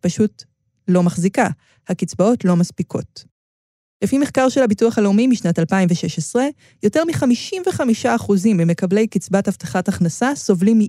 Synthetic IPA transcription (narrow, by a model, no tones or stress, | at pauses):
paʃut | lo̞maχzika | hakit͡sbao̞tlo̞maspikʰo̞̰t | lefimeχkaʁʃelhabituaχhaleumimiʃnatalpaimveʃeʃesʁe̞ | jo̞te̞ʁmiχamiʃimveχamiʃaːχuzimːime̞kable̞jkit͡sbathaftḁχataχnasaso̞vlimi